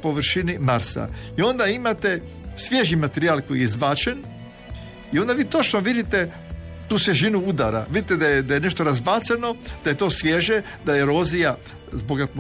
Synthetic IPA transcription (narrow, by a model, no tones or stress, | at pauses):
po̞ʋɾʃinimaɾsa̰io̞nd̪aimat̪e̞ | sʋʲje̞ʒimat̪eɾiaːlkojizbat͡ʃen | iond̪aʋiːt̪ot͡ʃnoʋid̪it̪e | t̪uːsʋʲjeʒinuud̪aɾa̰ʋid̪it̪ed̪ajed̪ajene̞ʃt̪oɾazbat̪seno̞d̪̥aje̞t̪o̞ːsʋʲje̞ʒe | d̪ajeɾoːzija | zboɡat̪m